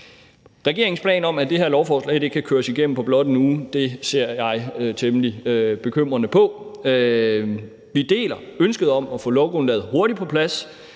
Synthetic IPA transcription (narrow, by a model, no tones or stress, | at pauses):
ʁɛɡ̥e̝ɐe̝ŋspʰlɛ̰ːnɒ̽mæd̥e̝ɦæɐlɒʊfɒ̰ːslɛ̰ɪd̥e̝ɡ̥̚kʰækʰøːɐsiɡ̥em̰n̩pʰɒ̽b̥lɒ̽d̥enuːd̥e̝se̝ɐ̰jɑ̈ɪt͡sʰeməlib̥e̝kʰøm̰ʁɐnəpʰɒ̽ | ʋid̥e̝̰ːlɐønsɡ̥əð̞̩ˠɒ̽mæfɔ̽lɒʊɡ̥onlɛːð̩ˠho̝ɐɾ̥ipʰɒ̽pʰlæs